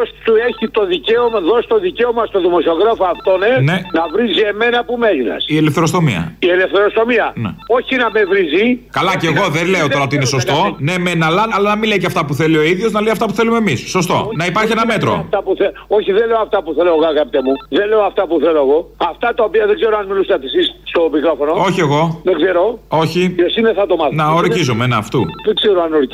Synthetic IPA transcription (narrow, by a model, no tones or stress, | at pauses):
ost̪ueçit̪o̞ðice̞omɐðo̞si̥t̪o̞ðiceo̞mɐst̪o̞ðimo̞sioɣɾɐfoɐft̪one̞nenɐvɾizie̞me̞nɐpumeɣinɐ̰sielefθeɾost̪o̞mḭɐ̰iele̞fθe̞ɾo̞st̪o̞miɐnḛo̞çinɐme̞vɾizikɐlɐceɣo̞ðele̞ot̪oɾɐot̪iineso̞st̪o̞nemenɐlɐnɐlɐnɐmileijceɐft̪ɐpuθe̞lio̞iðʝo̞znɐleiɐft̪ɐpu̥θe̞lumeːmisːo̞st̪o̞̰nɐipɐɾçienɐme̞t̪ɾo̰ft̪ɐpuθeoçiðenle̞oɐft̪ɐpuθeloeɣoɐɣɐpit̪emuðenleoɐft̪ɐpuθeloeɣo̞ɐft̪ɐt̪ɐopiɐðeɡze̞ɾoanmilusɐt̪isisst̪o̞mikɾo̞fonoo̞çie̞ɣo̞ðeɡze̞ɾo̞o̞çiosineθɐt̪omɐnɐoɾcizomenɐːft̪uðeɡzeɾoanoɾc